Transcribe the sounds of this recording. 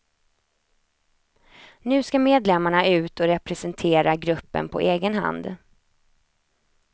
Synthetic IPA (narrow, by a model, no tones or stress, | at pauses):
nʉ̟ːskameːd̪lɛmːaɳaʔʉ̟ːt̪ʰɔɾɛpɾɛsɛnt̪ʰeːɾaɡɾɵpːə̰npʰɔ̰ʔeːɡənha̰nd̪